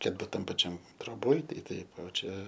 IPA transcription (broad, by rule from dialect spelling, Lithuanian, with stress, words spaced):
kɐt ˈbuːt ˈtɐm pɐˈt͡ʃʲɛm troːˈboːj tɐɪ ˈtɐɪp oː ˈt͡ʃʲɛ